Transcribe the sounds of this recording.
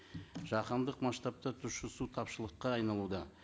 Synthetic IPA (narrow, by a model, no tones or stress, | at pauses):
ʒɑqɑnd̪əqmɑst̪ɑp̚t̪ɑt̪ʰʊʃɪsut̪ʰɑpʃəlˠəqːɑɑjnɑlˠud̪ɑ